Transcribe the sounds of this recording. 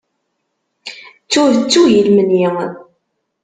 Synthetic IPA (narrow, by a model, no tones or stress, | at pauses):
t͡sːʊðət͡sːujəlmənji